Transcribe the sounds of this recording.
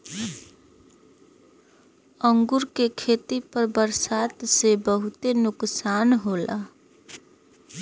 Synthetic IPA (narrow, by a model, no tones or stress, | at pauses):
əŋɡuɾkekʰet̪ipəɾbəɾsat̪sebəɦut̪enʊksanɦola